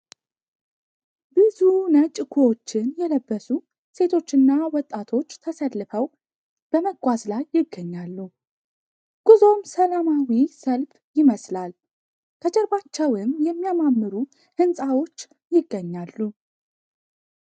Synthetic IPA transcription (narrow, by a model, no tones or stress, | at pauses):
bɨzunət͡ʃʼkʰuot͡ʃːɪnjɛləbːəsu | se̞t̪ʰo̞t͡ʃːɨnːawɔt̪ʼːat̪ʰo̞t͡ʃːt̪ʰəsəlːɨfəw | b̥əməɡʷazlajːɪɡːəɲːalːu | ɡ̥uzo̞msəlamawisəlf | jɪməslal | k̪ʰət͡ʃʼɛɾbat͡ʃːɛwɨmjɛmːijamamːɨɾu | hɨnsʼawo̞t͡ʃː | jɪɡːəɲːalːu